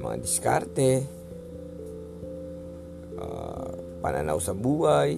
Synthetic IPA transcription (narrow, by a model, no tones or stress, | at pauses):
maŋa̰diska̰rt̪e | pananausabuai